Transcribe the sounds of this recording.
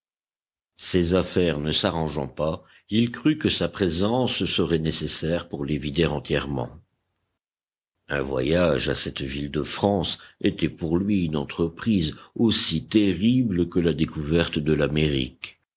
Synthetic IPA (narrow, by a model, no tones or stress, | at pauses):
sezafɛʁnəsaʁɑ̃ʒɑ̰̃pa | ilkχykəsapχezɑ̃sːəʁɛnesesɛʁpuʁlevid̪eʁɑ̃t̪jɛʁmɑ̰̃ | ɛ̃vwa̰jaʒa̰sɛt̪vild̪əfχɑ̃set̪ɛpuʁlɥiynɑ̃t̪χəpχizosit̪eʁibləkəlad̪ekuvɛʁt̪d̪əlameʁḭk